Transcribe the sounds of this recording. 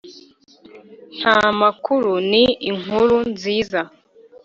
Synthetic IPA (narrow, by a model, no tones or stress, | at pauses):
n̥hamakuɾuniːŋ̥uɾunziːza